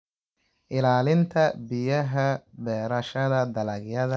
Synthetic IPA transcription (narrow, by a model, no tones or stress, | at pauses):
ʔɪlaːlɪnt̪ʰɐbɪjɐɦɐbɛːɾɐʃɐðɐd̪ɐlɐɣjɐðɐ